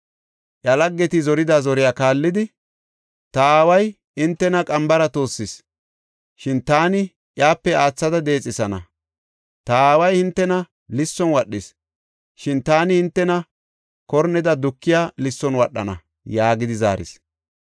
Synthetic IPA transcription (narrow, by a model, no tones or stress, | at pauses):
ʔjɐlɐɡːɛt̪ɪzɔɾɪd̪azɔɾɪjaːkaːlːɪd̪ɪ | t̪ɐaːwɐj | ɪnt̪ːɛnɐkʼɐmbɐɾɐt̪o̞ːsːɪs | ʃɪnt̪aːnɪ | ʔjaːpːɛaːt͡sːɐd̪ɐd̪e̞ːt͡sʼːɪsɐnɐ̰ | t̪ɐaːwɐjhɪnt̪ːɛnɐ | lɪsːɔnwɐɗːɪs | ʃɪnt̪aːnɪhɪnt̪ːɛnɐ | kɔɾnɛd̪ɐd̪ʊkːɪjaːlɪsːɔnwɐɗːɐ̰nɐ̰ | jaːɡɪd̪ɪza̰ːɾɪ̰s